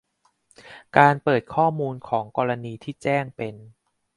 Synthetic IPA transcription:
kaː˧npɤː˨˩t̪̚kʰɔː˥˩muː˧nkʰɔː˩˦ŋkɔː˧ɾa˧niː˧t̪ʰiː˥˩t͡ɕɛː˥˩ŋpe˧n

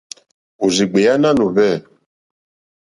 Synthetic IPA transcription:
u˨zi˨ɡ͡be˨ja˦na˦nu˨vɛ˦˨

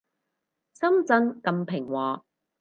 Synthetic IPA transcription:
sɐ˥mt͡sɐ˥ŋkɐ˧mpʰɪ˨˩ŋwɔː˨˩

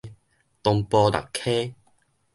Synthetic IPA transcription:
t̪ɔ˧ŋpɔ˧da̰˨˩kʰe˦

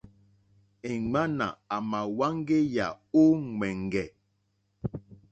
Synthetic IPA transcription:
e˨ŋ͡ma˦na̰˨a˨ma˨wa˦ŋ˦ɡe˦ja˨o˦ŋɛ˨ŋɡɛ˨

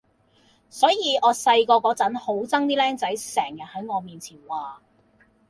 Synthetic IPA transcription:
sɔː˨˥jiː˨˧ɔː˨˧sɐ˧jkɔː˧kɔː˨˥t͡sɐ˨˥nho˨˥wt͡sɐ˥ŋt̪iː˥lɛː˥ŋt͡sɐ˨˥jsɛː˨˩ŋjɐ˨t̚hɐ˨˥jŋɔː˨˧miː˨nt͡sʰiː˨˩nwaː˨

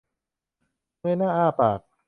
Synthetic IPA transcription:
mɯ˧˥˩jnaː˥˩ʔaː˥˩paː˨˩k̚

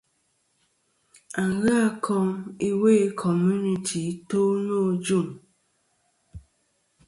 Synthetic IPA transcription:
a˨ŋɣa˦kʰɔ˦mi˦we˦˨˦kʰɔ˨mju˦ni˨tʰi˨˦to˦no˦˨d͡ʒu˦˨m

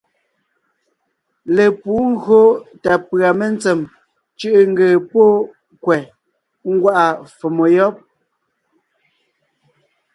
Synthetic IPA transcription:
le˨puː˨˦ŋ̩˦ɣɰo˦ta˨pɰa˨me˦nt͡sɛ˨m | t͡ʃʉ˦ʔŋ̩˦ɡeː˨po˦ | kwɛ˨ | ŋ̩˦ɡwa˦ʔa˨fo˨mo˨jɔ˦p̚

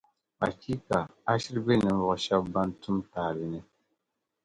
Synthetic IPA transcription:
a˨ki˦ka˨a˦ʃi˦ɾbe˦˨nɨ˨m̩˦vɔ˦˨ʔʃɛ˦bba˦n˦tu˦mtaː˨lɨ˦nɨ˦

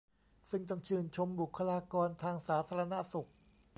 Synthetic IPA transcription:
sɯ˥˩ŋt̪ɔ˥˧˩ŋt͡ɕʰɯː˧˩nt͡ɕʰo˧mbu˨˩kʰːa˧laː˧kɔː˧nt̪ʰaː˧ŋsaː˩˦t̪ʰaː˧ɾa˧na˦˥su˨˩k̚

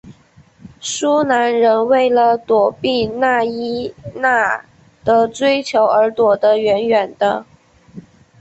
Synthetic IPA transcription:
su˥na˧˥nɻə˧˥nwe˥˩ɪlə˩t̪wɔ˨˩pi˥˩˧na˥˩i˥na˥˩ | d̪̥ə˧t͡swe˥ɪt͡ɕʰjo˧˥ʊə˞˧˥t̪wɔ˨˩d̪ə˦ɥɛ˧˥nɥɛ˨˩nd̪ə˦

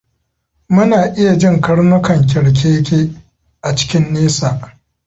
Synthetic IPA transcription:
mʊ˦naː˨ʔɪ˦ja˨d͡ʒɪ˦ŋkɐ˦ɽnʊ˦kɐ˨ŋk̬ʲɛ˨ɽk̬ʲʰeː˦kʲeː˦ | ʔa˨t͡ʃɪ̥˦kʲɪ˦nːeː˦saː˨ʔ

